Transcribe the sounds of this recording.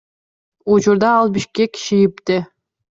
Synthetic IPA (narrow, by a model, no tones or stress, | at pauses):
ut͡ʃuɾd̪ɑːlˠbiʃkekːi̥ʃijipt̪ɪ